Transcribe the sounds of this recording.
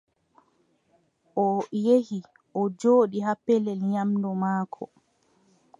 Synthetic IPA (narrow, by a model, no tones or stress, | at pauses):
ʔɔjehi | ʔɔd͡ʒoːɗiɦapːɛlɛlɲamdɔmaːkʰɔ̰